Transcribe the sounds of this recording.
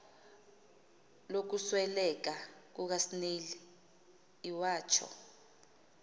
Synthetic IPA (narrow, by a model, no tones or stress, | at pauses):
lok̬uswɛlɛk̬ak̬uk̬asineliː | waːt͡ʃʰɔ̰